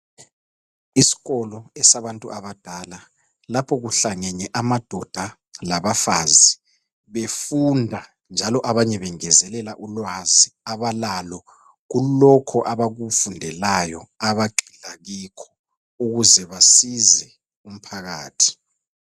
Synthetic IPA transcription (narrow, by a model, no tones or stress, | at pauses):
isi̥ɣɔlɔɛsaβantʼṵʔaβad̥ʱala | lapʰɔɣuɬaŋɛɲɛʔamad̥ʱɔd̥ʱa | laβafazi | βefundʱa | nd͡ʒʱalɔʔaβaɲɛβɛŋɛzɛlɛlaʔulwaziaβalalɔ | ɣulɔkʰɔʔaβaɣufundʱɛlajɔaβaǃʱilaɣikʰɔ̥ | uɣuzɛβasizɛ | um̩pʰaɣa̰ːtʰi̥